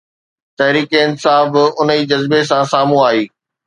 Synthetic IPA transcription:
t̪ɐɦɾiːkenɪsaːɦɪfʊniːd͡ʑɐzbes̬ãsaːmũaːɦiː

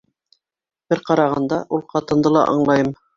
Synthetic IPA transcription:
b̥ɘɾqɑɾɑʁɑnd̪ɑʔulˠqɑt̪ɤ̆nd̪ɤlˠɑ̰ʔɑ̰ɴlˠɑjɤm

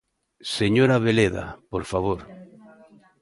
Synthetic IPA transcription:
seɲoɾaβeleða̰poɾfaβ̞oɾ

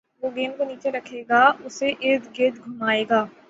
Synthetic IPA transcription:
ʋoːɡeːnkaniːt͡ʃeɾɐkʰeːɡaːʊseʔɪɾd̪ɡɪd̪ɡʱʊmaːeːɡaː

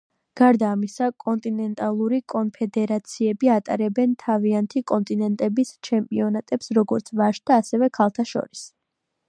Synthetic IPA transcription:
ɡ̥aɾd̪aːmisakʼɔnt̪ʼinɛnt̪ʼalˠuɾikʼɔnpʰɛd̪ɛɾat̪sʰiɛbiat̪ʼa̰ɾɛbɛnt̪ʰaviant̪ʰikʼɔnt̪ʼinɛnt̪ʼɛbist͡ʃʰɛmpʼiɔnat̪ʼɛpsɾɔɡɔɾt̪sʰvaʃd̪̥aːsɛvɛkʰalˠt̪ʰaʃɔ̰ɾis

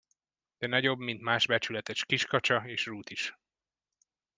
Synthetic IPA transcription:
d̪̥ɛnɒɟo̞bmint̪maːʒbɛt͡ʃylɛt̪ɛʃkiʃkɒt͡ʃɒeːʃruːt̪iʃ

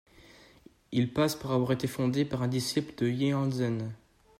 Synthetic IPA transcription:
ilpaspuʁavwaʁet̪efɔ̃d̪epaʁɛ̃d̪isipld̪əjeɑ̃zɛn

